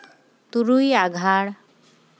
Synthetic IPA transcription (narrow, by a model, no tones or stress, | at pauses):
t̪uɾujaɡʱaɽ